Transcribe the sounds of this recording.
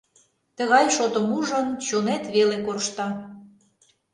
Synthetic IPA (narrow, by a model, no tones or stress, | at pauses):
t̪ə̆ɣɑjʃot̪ə̆muʒə̆nt͡ɕonet̪βelekorʃt̪ɑ